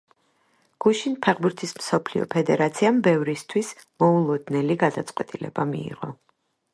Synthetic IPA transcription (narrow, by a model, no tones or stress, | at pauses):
ɡ̥uʃinpʰɛʁbuɾt̪ʰismsɔpʰliɔ̰pʰɛd̪ɛɾat̪sʰiambɛvɾist̪ʰwismɔulˠɔd̪nɛliɡad̪at̪sʼqʼwɛt̪ʼilɛ̰bamḭːʁɔ